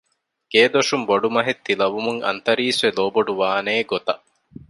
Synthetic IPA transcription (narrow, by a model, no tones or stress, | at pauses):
ɡ̥eːd̪oʂumboɖumɐɦet̪ːilɐʋumuŋɐ̰nt̪ɐɾiːsʋeloːboɖuʋaːneːɡot̪ɐʔ